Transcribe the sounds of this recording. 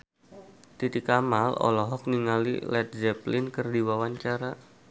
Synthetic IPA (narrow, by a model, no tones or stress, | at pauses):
t̪it̪ikamalɔ̰lɔɦɔk̚niŋalḭlɛt̪̚zɛplɪnkɨrdiwawaɲt͡ʃaɾa